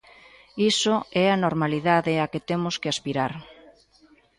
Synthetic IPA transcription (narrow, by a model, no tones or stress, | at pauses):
isoɛanoɾmaliðaðeaket̪emʊskeaspiɾaɾ